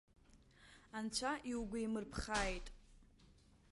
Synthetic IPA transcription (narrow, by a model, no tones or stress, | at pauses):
ant͡ɕʷʰaʔiwɡʷaimɨrpʰχaːjtʼ